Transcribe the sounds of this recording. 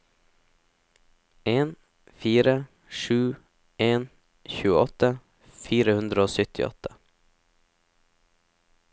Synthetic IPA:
ʔeːn | fiːɾə | ʃʉː | eːn | çʉːəɔt̪ə | fiːɾəhʉnd̪ɾəoːsʏt̪ʰɪ̰ɔ̰t̪ʰə̥

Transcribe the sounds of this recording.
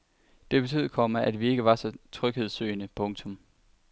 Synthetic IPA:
d̥e̝b̥e̝t͡sʰy̰ð̩ˠkʰɒ̽mɐʔæd̥ʋie̝ɡ̥əʋɑ̈sɒ̽t͡sʰʁœɡ̥he̝ð̞̰ˠsø̰ːɪnəpʰɔ̽ŋt͡sʰɔ̽m

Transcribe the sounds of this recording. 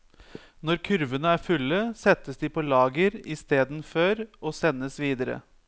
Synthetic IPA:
nɔɾkʰʉɾʋənəæːɾfʉlːəsɛt̪ːəsd̪ɪpʰɔlɑːɡəɾɪst̪eːd̪n̩føːɾɔsɛnːəsʋiːd̪əɾə̰

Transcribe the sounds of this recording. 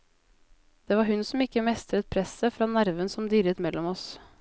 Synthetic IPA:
d̪̥eːʋɑːɾhʉnsɔmɪkːəmɛst̪ɾət̪̚pʰɾɛsəfɾɑːnæɾʋənsɔmd̪iːɾət̪mɛlɔmɔs

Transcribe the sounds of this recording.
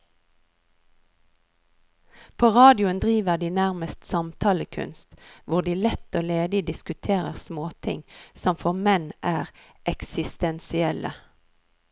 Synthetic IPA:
pʰoːʁɑːd̪ɪʊənd̪ʁiːʋəʁd̪iːnæʁməst̪sɑmt̪ʰɑːləkʰʉ̰nst̪ʋʊʁd̪iːlɛt̪oːleːd̪ɪd̪ɪskʉt̪ʰeːʁəʁsmoːt̪ʰɪ̰ŋsɔmfɔʁmɛnʔæːʁ | ʔɛksɪst̪ɛnsɪɛlə̰

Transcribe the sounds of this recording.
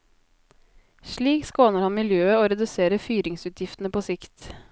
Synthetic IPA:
ʃɭiːkskoːnəɾhɑnmɪljøːəoːɾɛd̪ʉseːɾəfyːɾɪŋsʉːt̪ʰjɪft̪n̩əpʰoːsɪkt̪

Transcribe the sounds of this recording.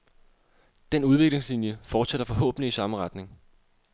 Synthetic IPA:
d̥enuð̞ˠʋe̝ɡ̥le̝ŋslinjəfɒːd̥seɾ̥ɐfɒ̽ɦɔ̰̽ːb̥ən̩liisɑ̈məʁɑd̥ne̝ŋ

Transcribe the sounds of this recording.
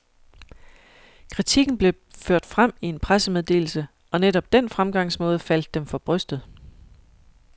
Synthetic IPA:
kʰʁit͡sʰiɡ̥n̩b̥le̝ | føɐ̰d̥fʁam̰ie̝npʰʁasəmeðˠd̥e̝̰ːl̩sə | ɒ̽neɾ̥ɒ̽b̥̚d̥en̰fʁamɡ̥ɑ̈ŋ̰smɔ̽ːð̞ˠəfæl̰d̥ːemfɒ̽b̥ʁœsd̥ð̩ˠ

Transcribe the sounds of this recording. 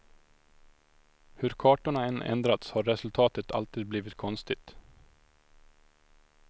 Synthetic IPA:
hɵɾkʰɑːʈʊɳɑɛnʔɛ̰nd̪ɾat̪shɑːɾɛsʉlt̪ʰɑːt̪ət̪ʰɑ̰lt̪iːd̪̚bliːʋɪt̪kʰɔnst̪ɪt̪

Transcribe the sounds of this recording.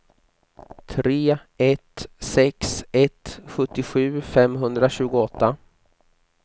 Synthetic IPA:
t̪ʰɾeː | ɛt̪sɛksɛt̪ɧɵt̪ːɪɧʉ̟ːfɛmɦɵnd̪ɾaɕʉ̟ːɡʊɔt̪ːa

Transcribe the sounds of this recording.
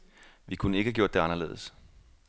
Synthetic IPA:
ʋikʰunəe̝ɡ̥əhæɡ̥jo̝̰d̥e̝ɑ̈nɐle̝ːð̞̩ˠəs

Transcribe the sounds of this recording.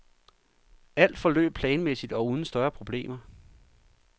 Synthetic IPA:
æl̰d̥fɒ̽lø̰ːb̥̚pʰlɛːnmesid̥ɒ̽uð̞ˠn̩sd̥ɶɐpʰʁo̝b̥le̝̰ːmɐ

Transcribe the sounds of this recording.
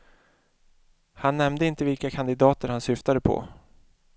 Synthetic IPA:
hanːɛmnd̪əɪnt̪əvɪlkakʰand̪ɪd̪ɑːt̪əɾhansʏft̪ad̪əpʰɔ̰

